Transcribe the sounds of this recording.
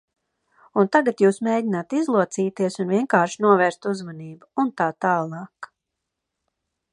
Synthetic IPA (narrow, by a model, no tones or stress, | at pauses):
unt̪aɡat̪juːsmeːɟinat̪izlˠuɔt̪siːt̪iɛsunviɛŋkaːɾʃnuɔvɛːɾst̪uzmaniːbuunt̪aːt̪aːlˠɑːk